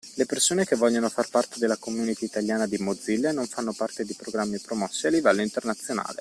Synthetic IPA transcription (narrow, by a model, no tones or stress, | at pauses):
lepersoːnek̟evːɔʎːanofarpart̪ed̪elːakomunit̪iit̪aljaːnad̪imod̪zilːenoɱfanːopart̪ed̪ipɾoɡɾamːipɾomɔsːealːivɛlːoint̪ernat̪sːjona̰ːlḛ